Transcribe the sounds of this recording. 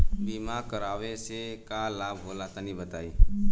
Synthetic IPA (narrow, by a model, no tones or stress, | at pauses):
biːmaːkəɾaːʋesekaːlaːbɦoːlat̪anĩbət̪aːiː